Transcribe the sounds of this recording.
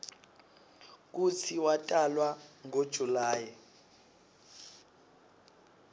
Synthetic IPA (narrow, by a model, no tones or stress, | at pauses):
k̬ut͡sʰiwatʼalwaŋod̥ʒ̥ʱulaːjɛ